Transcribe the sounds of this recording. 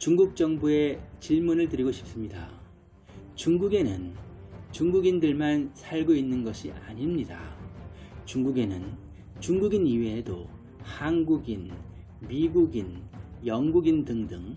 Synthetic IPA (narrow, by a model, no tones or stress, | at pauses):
t͡ɕuŋɡuk̚t͡ɕ͈ʌŋbue̞t͡ɕiɭmunɯɭtɯɾiɡoɕʰi̥p̚s͈ɯmɲida̰ | t͡ɕuŋɡuɡe̞nɯnt͡ɕuŋɡuɡindɯɭmansʰaɭɡoinːɯnɡʌɕʰḭʔa̰ɲimɲida̰ | t͡ɕuŋɡuɡe̞nɯn | t͡ɕuŋɡuɡiniweːdo | hanɡuɡin | miɡuɡinjʌŋɡuɡindɯŋdɯŋ